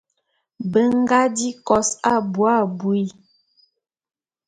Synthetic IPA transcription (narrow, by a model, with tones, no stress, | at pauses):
bə˦ŋ˦ɡa˦di˦kɔ˨sa˦bwa˦˨bu˨i˦